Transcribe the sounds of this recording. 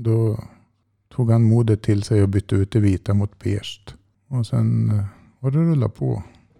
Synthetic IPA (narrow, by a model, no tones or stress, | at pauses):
d̪ɔ | t̪ʰuːɡhanmuːd̪ət̪ʰːɪlsɛɪɔbʏt̪ːəʉːt̪̚d̪ɛviːt̪amʊt̪bḛːʂt̪ | ɔsɛ̰n | vaɖɛɾɵlːa̰pʰɔ̰